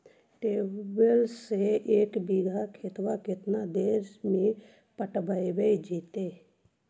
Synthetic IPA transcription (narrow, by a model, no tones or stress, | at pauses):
ʈeːbəlseeːkbiːɡʱakʰet̪wakɪt̪nad̪eːɾmẽ | pəʈbaiʋeid͡ʒiːt̪eː